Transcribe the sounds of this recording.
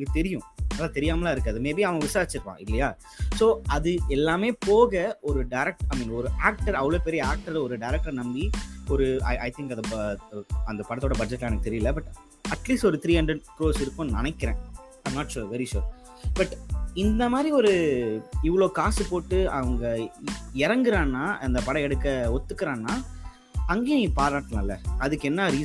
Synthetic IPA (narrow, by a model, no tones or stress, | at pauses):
nːɡɐt̪ɛɾɪjʊ̃nɐlːaːt̪ɛɾɪjaːmɐlaːɪɾɯkːɐðɯmeːbiɐʋɐɡɐʋɪsaːɾt͡ʃːɪɾɯʋã̰ːɪlːɐjaː | soːʔɐðɯɛlːaːmeːpoːɣɐɔɾɯɖɐɪɾɛk̚ʈɐɪmiːnɔɾɯʔaːk̚ʈɐɾɐʋɐɭoːpɛɾɪjɐaːk̚ʈɐɾlɔɾɯɖɐɪɾɛk̚ʈɐɾnɐmbiɔɾɯɐ̰ʔɐɪt̪ʰɪ̃ŋkɐnd̪ɐ | ɐnd̪ɐpɐɽɐt̪ːoːɽɐbɐd͡ʒɛʈːlɐːnɐkːɯt̪ɛɾɪjɪlːɐbɐʈ | ɐʈliːsʈɔɾɯt̪ɾiːɐɳɖɾɛɖpɾoːsɪɾɯkːʊ̃nnɪnɐɪkːɪɾẽː | mnaːʈʃuːʋɛɾiʃṵːɾ | bɐʈɪnd̪ɐmaːd̪ɾiɔɾɯɪʋːɐɭoːkaːsɯpoːʈːɯɐʋɐŋɡɐɪɾɐŋɡɯɾãːnnːaːʔɐnd̪ɐpɐɽɐ̃ɛɽɯkːɐɔt̪ːɯkːɪɾãːnnːaː | ɐŋɡeːnĩpaːɾaːʈːlãːɪlːɐɐðɯkːɛnːɐɾiː